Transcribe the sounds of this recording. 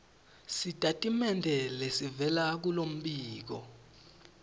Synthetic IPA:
sitʼatʼimɛndʱɛlesivɛlak̬ulom̩ɓiːk̬ɔ̰

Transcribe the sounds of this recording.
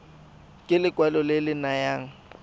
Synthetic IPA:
kʼɪlɪkʼwɛlɔlɪlɪnajaːŋ̩

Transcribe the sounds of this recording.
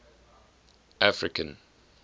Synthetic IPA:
ʔafɹɪkə̃n

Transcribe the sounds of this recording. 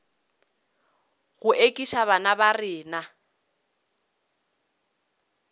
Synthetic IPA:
ɣʊʔekʼiʃaβanabarɪːna

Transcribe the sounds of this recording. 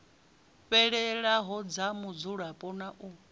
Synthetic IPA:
ɸɛɺɛɺaɦɔd͡zamud͡zuɺapʼɔnaʔu

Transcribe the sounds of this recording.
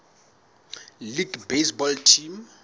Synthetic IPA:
liɡbesbɔltʰim

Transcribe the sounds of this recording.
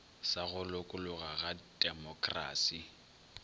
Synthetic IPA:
saɣʊlʊkʼʊlʊɣaɣadʼɛmɔkʼra̰ːsi

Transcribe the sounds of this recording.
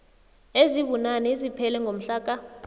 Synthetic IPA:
eziɓunanɛzipʰɛlɛŋɡʱom̩ɬaːk̬ʼa

